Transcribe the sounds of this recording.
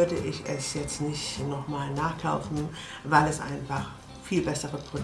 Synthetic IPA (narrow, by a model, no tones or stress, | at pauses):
ɐdəʔɪçɛsjɛt͡stnɪçtnɔχmaːlnaːχkʰaʊfn̩ | vaɪlɛsʔa̰ɪnfaχ | fiːlbɛsəʁəpʁ̥od